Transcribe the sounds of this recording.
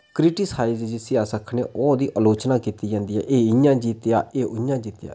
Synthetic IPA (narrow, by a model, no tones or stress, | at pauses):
kɾɪʈɪshaːɪzd͡ʒɪsiːaːsəkʰːnḛːʔoːd̪iːʔəloːt͡ʃnaːkiːt̪iːd͡ʒãːnd̪iːɦɛ̰ːʔeːɪjãːd͡ʒiːt̪eja̰ːeːʔʊjãːd͡ʒiːt̪ja̰ː